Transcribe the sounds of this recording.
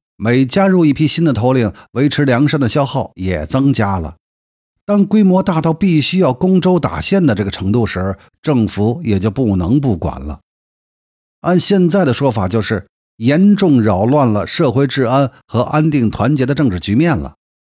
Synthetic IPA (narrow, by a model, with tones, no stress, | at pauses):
me˨˩ɪt͡ɕja˥ɻu˥˧i˥˩pʰi˥ɕi˥nd̪ə˨t̪ʰo˧˥ʊli˥˩ŋwe˧˥ɪʈ͡ʂʰɻ̩˧˥ljɑ˧˥ŋʂnd̪ə˩ɕjɑ˥ʊxɑ˥˩ʊjɛ̰˨˩t͡sɤ˥ŋt͡ɕja˥lə̰˩ | t̪a˥nkwe˥ɪmwɔ˧˥t̪a˥˧t̪ɑ˥˧ʊpi˥˩ɕy˥jɑ˥˩ʊkʊ˥ŋʈ͡ʂo˥ʊt̪a̰˨˩ɕjɛ˥˩nd̪ə˩ʈ͡ʂɤ˥˩ɡə˩ʈ͡ʂʰɤ˧˥ŋt̪u˥˩ʂɻ̩˧˥ | ʈ͡ʂɤ˥˩ŋfu˧˥jɛ˨˩t͡ɕjo˥˧ʊpu˥˩nɤ˧˥ŋpu˥˩kwa̰˨˩nlə̰˦ | a˥˧nɕjɛ˥˧nt͡sa˥˩ɪd̪ə˩ʂwɔ˥fa˨˩t͡ɕjo˥˧ʊʂɻ̩˥˩ | jɛ˧˥nʈ͡ʂʊ˥˧ŋɻɑ˨˩ʊlwa˥˩nlə˩ʂɤ˥˧xwe˥˧ɪʈ͡ʂɻ̩˥˩ə˥n | xɤ˧˥ʔa˥nt̪i˥˩ŋt̪ʰwa˧˥nt͡ɕjɛ˧˥d̪ə˧ʈ͡ʂɤ˥˧ŋʈ͡ʂɻ̩˥˩t͡ɕy˧˥mjɛ˥˩nlə̰˩